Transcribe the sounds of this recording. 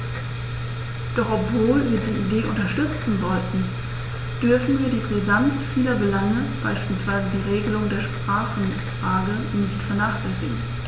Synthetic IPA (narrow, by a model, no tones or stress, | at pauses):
d̥ɔχɔpv̥oːlviːɐdiːʔideːʔʊntɐʃtʏt͡sn̩zɔltn̩ | d̥ʏɐfn̩viːɐdiːpʁ̥izant͡sfiːlɐbəlaŋəb̥a̰ɪʃpiːlsv̥aɪzədiːʁeːɡəlʊŋdeːɐʃpʁ̥aːχn̩ | fʁ̥aːɡə | nɪçtfɛɐnaːχlɛsɪɡŋ̩